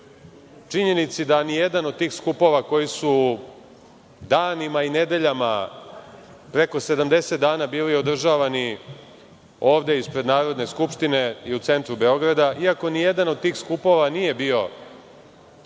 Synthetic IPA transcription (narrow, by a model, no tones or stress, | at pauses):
t͡ʂiɲe̞nit̪sid̪anijed̪ano̞d̪̚t̪iːxskupo̞ʋako̞jisu | d̪aːnimaine̞d̪e̞ʎama | pɾe̞ko̞se̞d̪amd̪e̞se̞t̪d̪aːnabiːlio̞d̪r̩ʒaːʋani | o̞ːʋd̪e̞ispɾe̞d̪naːɾo̞d̪ne̞skupʃt̪ine̞iut̪se̞nt̪ɾube̞o̞ɡɾad̪aʔiako̞nijed̪ano̞d̪̚t̪iːxskupo̞ʋanije̞biːo̞